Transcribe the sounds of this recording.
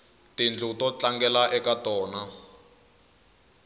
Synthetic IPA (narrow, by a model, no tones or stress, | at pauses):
tind͡ɮʱutɔt͡ɬaŋɡɛlaʔɛkatɔːna